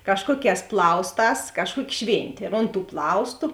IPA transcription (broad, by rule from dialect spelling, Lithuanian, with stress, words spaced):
ˈkɑːʃkuɔˌkʲɛːs ˈplˠɐʊsˌtɑːs ˈkɑːʃˌkuɔkʲɪ ˈʃʲʋʲeːnʲtʲeː ɪr oːnt tuː ˈplˠɐʊstʊ